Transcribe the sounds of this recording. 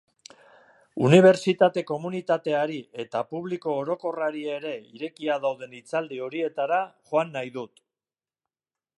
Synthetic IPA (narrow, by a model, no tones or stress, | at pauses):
uniβ̞e̞ɾt͡sit̪at̪e̞ko̞munit̪at̪e̞aɾie̞t̪apuβliko̞ːɾo̞ko̞raɾieɾe̞iɾe̞kiaðawðe̞nit͡sald̪io̞ɾie̞t̪aɾaʝoanːajðut̪